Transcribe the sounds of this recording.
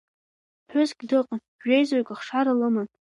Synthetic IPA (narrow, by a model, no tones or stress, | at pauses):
ħʷᶣʊzɡʲdɨqʼanʒᶣejzaɥkʲʼaχʂaɾalɨman